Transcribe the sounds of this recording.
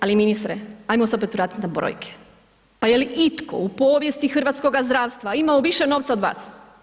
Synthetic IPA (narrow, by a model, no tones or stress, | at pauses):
aliminist̪ɾeajmoseo̞pet̪ʋɾaːt̪i̥t̪nabɾo̰jkʰe̥ | pajeliʔit̪ko̞̰upoːʋjest̪ixr̩ʋat̪sko̞ɡazd̪ɾaːʋst̪ʋaimaoʋiʃeno̞ʋt̪saod̪ʋa̰ːs